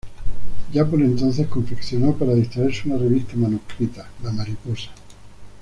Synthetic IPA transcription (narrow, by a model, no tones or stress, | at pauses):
d͡ʒapoɾent̪onθe̞hsko̞ɱfekθjonopaɾaðist̪ɾaeɾseunareβ̞ist̪amanuhkɾit̪alamaɾiposḁ